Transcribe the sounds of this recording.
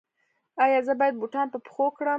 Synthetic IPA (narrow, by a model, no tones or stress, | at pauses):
ɑjɑzəbɑjad̪̚buʈɑnpəpxokɽə